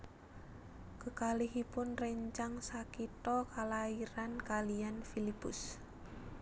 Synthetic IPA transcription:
kəkalihipʊnrəɲt͡ʃaŋsakit̪ɔkalaiɾankalianfilipʊs

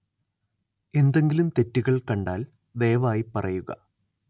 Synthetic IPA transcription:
e̞nd̪e̞ŋɡilumt̪e̞tːiɣɐɭkɐɳɖaːl | ʋe̞ːʋaːjipɐrɐjuɣɐ̰

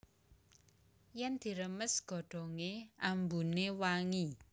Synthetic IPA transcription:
jɛnd̪̥i̤ɾəməsɡ̥ɔ̤ɖ̥ɔ̤ŋeambunewaŋi

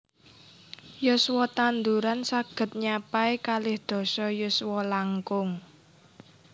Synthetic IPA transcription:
jʊswɔt̪and̪uɾansaɡ̥ə̤t̪̚ɲapaekalɪhd̪̥ɔ̤sɔjʊswɔlaŋkʊŋ

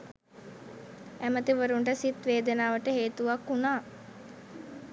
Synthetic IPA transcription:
æmət̪iʋəɾuɳɖəsit̪ʋeːd̪ənaːʋəʈəɦeːt̪uʋakːunaː

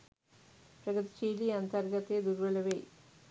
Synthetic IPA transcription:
pɾɐɡɐt̪i̥t͡ɕeːliɐnt̪ɐrɡɐt̪ːed̪uɾʋɐlɐʋeː

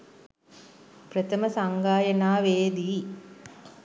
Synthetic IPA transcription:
prət̪əməsaŋɡaːjənaːʋeːd̪iː

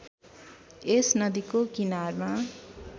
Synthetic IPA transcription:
esnʌd̪ikokinarma

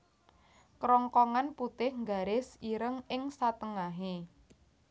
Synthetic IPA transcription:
kɾɔŋkɔŋanput̪ɪhŋɡa̤ɾɪsiɾəŋɪŋsat̪əŋaɦe

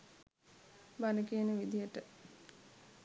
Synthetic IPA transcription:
banəkeːnəʋid̪ijəʈə

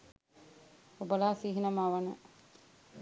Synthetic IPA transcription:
obəlaːsiɦinəmaʋənə

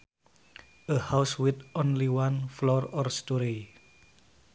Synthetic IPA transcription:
ʔəhawswit̪õnliwanflɔrɔrstɔɾi

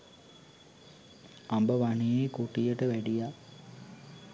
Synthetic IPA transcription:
ambəʋanijekuʈijəʈəʋæɖija

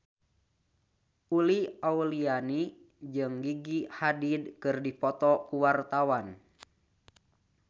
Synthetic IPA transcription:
uliauliani | d͡ʒɨŋɡiɡihadidkɨrdipɔt̪ɔkuwart̪awan

